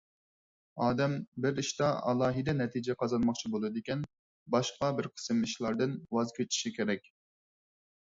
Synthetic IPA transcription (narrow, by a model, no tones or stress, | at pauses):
ɑːd̪ɛmbɪɾiʃt̪ɑɑ̰lˠɑːɦɨd̪ɛnɛt̪ʰid͡ʒɛqʰɑzɑnmɑχt͡ʃʰibolˠɨd̪ɪkʲɛn | bɑʃqɑbɪɾqʰə̥sɨmɨʃlˠɑɾd̪ɨnwɑzkʲʰøt͡ʃ̪ʰi̥ʃikʲeɾɛk̚ʲ